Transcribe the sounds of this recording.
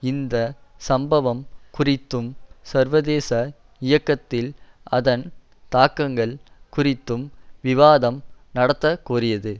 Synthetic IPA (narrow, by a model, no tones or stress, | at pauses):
ɪnd̪ɐsɐmbɐʋɐmkʊrɪt̪ːɯmsɐɾʋɐðeːsɐ | ɪjɐkːɐt̪ːɪl | ɐðɐn | t̪aːkːɐŋɡɐɭkʊrɪt̪ːɯmʋɪʋaːðɐmnɐɽɐt̪ːɐkːuːrɪjɐðɯ